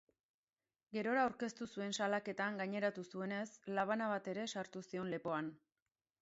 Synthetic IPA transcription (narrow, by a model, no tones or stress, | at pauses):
ɡe̞ɾo̞ɾaːwɾke̞st̪usue̞nsalake̞t̪aŋɡaɲe̞ɾat̪usue̞ne̞slaβ̞anaβ̞at̪e̞ɾe̞saɾt̪usio̞nle̞po̞an